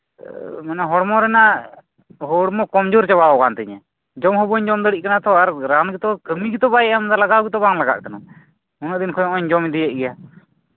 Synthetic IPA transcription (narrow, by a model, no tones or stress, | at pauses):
manɛɦɔɽmɔɾɛna | ɦɔɽmɔkɔmd͡ʒuɾt͡ʃabaɔɡant̪əɲɛ | d͡ʒɔmɦɔbɔɲd͡ʒɔmd̪əɽiʔ̚kanat̪ʰɔaɾɾanɡit̪ɔkəmiɡit̪ɔbajɛamnd̪aɾlaɡaɡit̪ɔbaŋlaɡa̰ʔkanu | unəʔd̪inkʰɔjɔɔɲd͡ʒɔmid̪ijɛʔ̚ˀɡɛja